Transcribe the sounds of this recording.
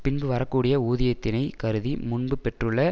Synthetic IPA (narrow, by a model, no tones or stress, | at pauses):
pɪnbɯʋɐɾɐkːuːɽɪjɐuːðɪjɐt̪ːɪnɐɪkɐɾɯðimʊɳbɯpɛʈrɯɭːɐ